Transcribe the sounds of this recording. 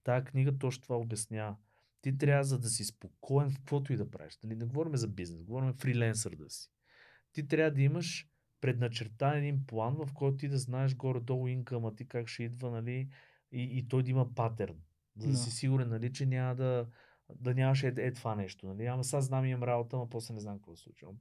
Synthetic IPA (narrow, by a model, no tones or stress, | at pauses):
t̪aəkniɡət̪ɔʃt̪ovaobjɐsnʲa | t̪it̪̬ɾʲavəzɐd̪ɐsispokʰɔɛnfkvɔt̪oid̪ɐpɾa̰viʃnɐlinɛɡovɔɾimɛzɐbiznɛsɡovɔɾimɛfɾilɛns̬əɾd̪ə̰si̥ | t̪it̪ɾʲavəd̪ɐiməʃ | pɾɛd̪nɐt͡ʃɛɾt̪aɛd̪inplˠanvɐfkɔjt̪oʊt̪id̪ɐznaɛʃ̬ɡɔɾɛd̪ɔlʊiŋkəmɐt̪ikakʃɛid̪vənɐli | iːt̪ɔjd̪ɐiməpat̪ɛɾn | zɐd̪ɐsisiɡʊɾɛnːɐlit͡ʃɛnʲaməd̪ɐ | d̪ɐnʲamɐʃ̬ɛɛt̪ovanɛʃt̪onɐliamɐsazznamimɐmɾabot̪əmɐpɔslɛnɛznamkəkvɔslˠṵt͡ʃvə̰m